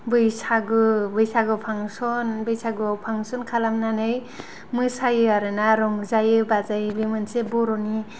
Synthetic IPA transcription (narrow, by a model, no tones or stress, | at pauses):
bɯjsaɡɯbɯjsaɡɯpʰaŋsɔnbɯjsaɡɯawpʰaŋsɔnkʰalamnanɯj | mɯsajɯaɾɯnaɾɔŋzajɯbazajbemɯnsebɔɾɔni